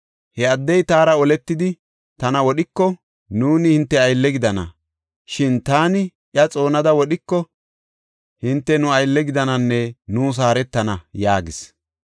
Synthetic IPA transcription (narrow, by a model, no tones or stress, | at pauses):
hɛɐd̪ːɛjt̪aːɾɐɔlɛt̪ːɪd̪ɪ | t̪ɐnɐwɔɗɪkːɔ | nuːnɪhɪnt̪ːɛɐjlːɛɡɪd̪ɐnɐ̰ | ʃɪnt̪aːnɪ | ʔjɐt͡sʼo̞ːnɐd̪ɐwɔɗɪkːɔ | hɪnt̪ːɛnʊɐjlːɛɡɪd̪ɐnɐnːɛnuːs̬aːɾɛt̪ːɐnɐjaːɡɪs